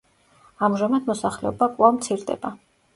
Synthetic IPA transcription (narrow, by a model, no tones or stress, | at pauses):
amʒamad̪mɔsaχlɛɔbakʼlˠamt̪sʰiɾd̪ɛ̰ba